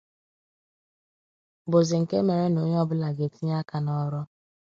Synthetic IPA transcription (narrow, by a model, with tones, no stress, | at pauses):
bo˨zɪ˨ŋ̩˨ke˦me˨ɾe˦no˦ɲ˦ɔ˦bʊ˦la˨ɡe˨ti˦ɲ˦a˦ka˨nɔ˦ɾɔ˦